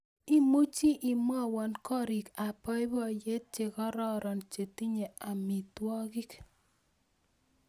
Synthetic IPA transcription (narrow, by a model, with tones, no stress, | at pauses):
i˦mu˦t͡ʃi˦ʔi˨m˦ɔ˦˨wɔ˨nkɔ˦ɾi˨ka˨pɔ˦ɪ˦bɔ˦˨je˦t̚t͡ʃe˨kɔ˦ɾɔ˦ɾɔ˨nt͡ʃe˨ti˦ɲe˨a˨mi˨twɔ˦ɡi˦k